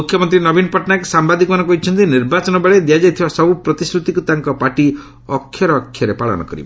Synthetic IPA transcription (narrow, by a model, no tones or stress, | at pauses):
mukʰjɔmɔnt̪̬ɾinɔbinɔpɔʈnaksambad̪ikɔmanɔkɔɦit͡ʃʰɔnt̪iniɾbat͡ʃɔnɔbeɭed̪ijad͡ʒɔjt̪ʰibasɔbupɾɔt̪isɾut̪ikut̪aŋkɔpaʈi | ɔkʰːjɔɾɔːkʰjɔɾepaɭɔ̰nɔ̰kɔɾḭb̰